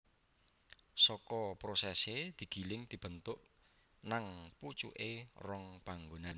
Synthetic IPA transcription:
sɔkɔpɾosɛsed̪̥i̤ɡ̥i̤lɪŋd̪̥i̤b̥ə̤nt̪ʊʔ | naŋput͡ʃṵʔerɔŋpaŋɡonan

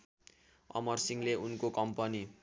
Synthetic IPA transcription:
ʌ̰mʌrsiŋleʔunkokʌmpʌni

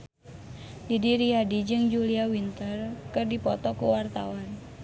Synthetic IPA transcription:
didiɾiadid͡ʒɨŋd͡ʒuliawint̪ərkɨrdipɔt̪ɔkuwart̪a̰wan

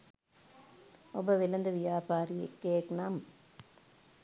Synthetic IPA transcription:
ɔbɐʋɪlɐnd̪ɯʋɪjaːpaːɾɪjɛkːeːknaːm

